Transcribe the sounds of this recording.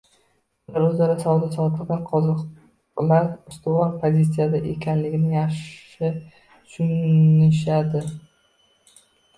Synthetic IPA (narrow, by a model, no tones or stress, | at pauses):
ʊlaɾɵzlaɾasɒvɒd̪asɒt̪ʰɨlɡ̪anqʰɒzq | laɾʊst̪ʊɒɾpʰozʲit̪sijad̪aʔekʲʰanlɪɡʲɪnɪŋjaχʃ | ɪ | t̪ʰʊ̥ʃʊnɪʃad̪ɪ